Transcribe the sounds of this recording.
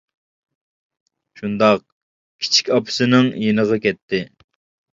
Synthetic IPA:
ʃund̪ɑq̚ | kʲʰi̥t͡ʃʰi̥kʲɑpʰɨ̥sɨnɪŋjenəʁɑkʲɛt̪ʰːɪ

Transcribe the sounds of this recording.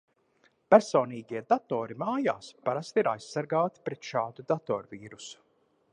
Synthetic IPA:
pæɾsoːniːɡiɛd̪at̪oːɾimaːjaːspaɾast̪iiɾajsːaɾɡaːt̪i̥pɾɛt̪ʃaːd̪ud̪at̪ɔːɾviːɾusu̥

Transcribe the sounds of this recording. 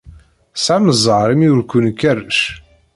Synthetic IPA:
saməzˤəɾˤimjʊɾkːunkːærəʃ

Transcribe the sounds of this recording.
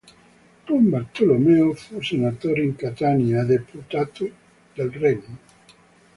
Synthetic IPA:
t̪wɔmbaɾt̪olomeofusenat̪oɾiŋkat̪aniad̪eput̪at̪ʊ | d̪alrɛɲu

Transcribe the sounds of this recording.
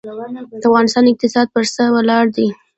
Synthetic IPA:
d̪əafɣɑnɪst̪ɑnɪq̚t̪ɪsɑd̪̚pəɾsəwəlɑɽd̪i

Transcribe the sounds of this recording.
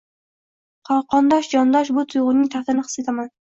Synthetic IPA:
qʰɒwˠqɒnd̪ɒʃd͡ʒɒnd̪ɒʃbʊt̪ʰʊjʁʊnːɪŋt̪ʰaχt̪ɪnɪqʰɨ̥set̪ʰaman

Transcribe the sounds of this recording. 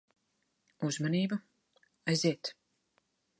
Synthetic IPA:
uzmaniːbu | ajziɛt̪

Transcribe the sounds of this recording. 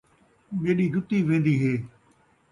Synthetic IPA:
meːɗiːd͡ʒʱʊt̪ːiːʋẽːnd̪iːɦeː

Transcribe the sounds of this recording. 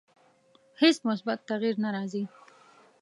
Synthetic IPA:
hesmʊs̬bat̪ːaɣiɾnaɾɑzi

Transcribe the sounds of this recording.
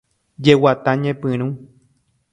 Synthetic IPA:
d͡ʒewat̪aɲẽpɨ̃ɾ̃ũ

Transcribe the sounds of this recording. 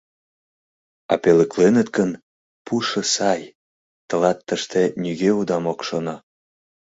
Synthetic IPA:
ɑ̰pelə̆klenət̪kən | puʃɤ̆sɑj | t̪əlɑt̪ːəʃt̪enyɣeud̪ɑmokʃonɑ

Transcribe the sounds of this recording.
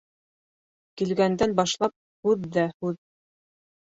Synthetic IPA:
kilɡænd̪ænbɑʃlˠɑp̚ | hʉðːæhʉð

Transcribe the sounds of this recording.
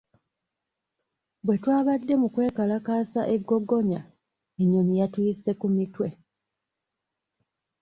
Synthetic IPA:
bwe̞twaːβadːe̞mukwe̞ːkalakaːsaʔeɡːo̞ɡo̞ɲa | eɲːoɲijatujise̞kumitwe̞

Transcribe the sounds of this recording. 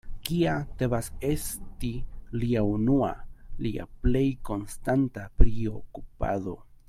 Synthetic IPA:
kiat̪eβasest̪iliaunua̰lia̰plejkonst̪ant̪apɾio̰kupa̰ðo̞̰

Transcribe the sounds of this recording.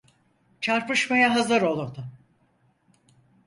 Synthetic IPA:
t͡ʃʰaɾpɯʃmajaɦazɯɾo̞lˠuɾd̪ʊ

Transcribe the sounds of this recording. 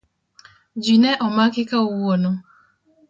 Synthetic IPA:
d͡ʒinɛʔɔmakɪkauwonʊ

